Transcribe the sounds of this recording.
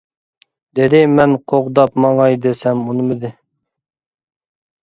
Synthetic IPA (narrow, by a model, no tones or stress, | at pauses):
d̪̥ed̪ɪmɛnqʰoʁd̪ɑpmɑŋɑjd̪ɪsɛmunɨmɪd̪ɪ